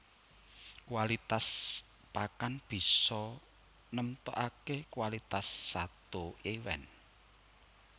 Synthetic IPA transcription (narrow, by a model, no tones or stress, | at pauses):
kuwalit̪as | pakanb̥i̤sɔ | nəmt̪ɔ̰ʔakekwalit̪asːat̪oewɛ̰n